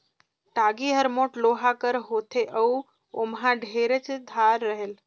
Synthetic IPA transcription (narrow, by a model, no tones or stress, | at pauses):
ʈaːɡiɦəɾmoːʈloɦakəɾɦoːt̪ʰeʔəu | omɦãɖʱeɾət͡ʃd̪ʱaːɾːəɦel